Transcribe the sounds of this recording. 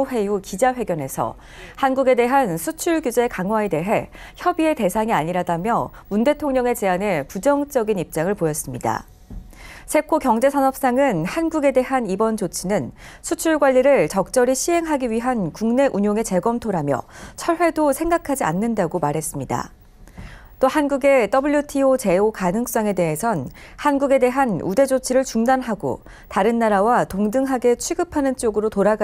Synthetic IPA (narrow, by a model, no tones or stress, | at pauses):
ɸe̞jukid͡ʑaɸwe̞ɡjʌne̞sʰʌ̰ | hanɡuɡe̞de̞ɦansʰut͡ɕʰuɭɡjud͡ʑekaŋɦwae̞de̞ɦe̞ | çjʌbie̞te̞sʰaŋiaɲiɾadamjʌ | munde̞tʰoŋɲʌŋe̞t͡ɕe̞anepud͡ʑʌŋt͡ɕ͈ʌɡinip̚t͡ɕ͈aŋɯɭpojʌs͈ɯmɲida̰ | sʰe̞kʰokjʌŋd͡ʑe̞sʰʌnʌp̚s͈aŋɯnhanɡuɡe̞de̞ɦanibʌnt͡ɕot͡ɕʰinɯn | sʰut͡ɕʰuɭɡwaʎːiɾɯɭt͡ɕʌk̚t͡ɕ͈ʌɾiɕʰiɦe̞ŋɦaɡiɥiɦankuŋne̞ʔuɲoŋe̞t͡ɕe̞ɡʌmtʰoɾamjʌ̰t͡ɕʰʌɭɸwe̞dosʰe̞ŋɡakʰad͡ʑia̰nːɯndaɡomaɾɦe̞s͈ɯmɲida̰ | t͈ohanɡuɡe̞t͈ʌbɯʎjutʰiot͡ɕe̞okanɯŋs͈ʌŋe̞de̞ɦesʰʌn | hanɡuɡe̞de̞ɦanṵde̞d͡ʑot͡ɕʰiɾɯɭt͡ɕuŋdanɦaɡo̰ | taɾɯnːaɾawatoŋdɯŋɦaɡe̞t͡ɕʰwiɡɯpʰanɯnt͡ɕ͈oɡɯɾotoɾaɡa